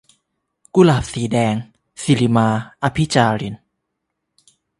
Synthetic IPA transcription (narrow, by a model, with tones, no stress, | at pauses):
ku˦laː˨˩p̚siː˩˦dɛː˧ŋ | si˧li˧maː˧ʔa˧pʰi˦˥t͡ɕaː˧ɾi˧˩n